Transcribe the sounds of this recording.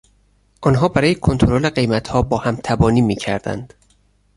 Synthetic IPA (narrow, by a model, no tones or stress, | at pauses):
ʔɒnɦɒːbæɾɒːjekʰo̞nt̪ʰoɾole̞ɢe̞jmæt̪hɒːbɒːhæmt̪ʰæbɒːniːmiːcʰæ̰ɾd̪æ̰nd̪̥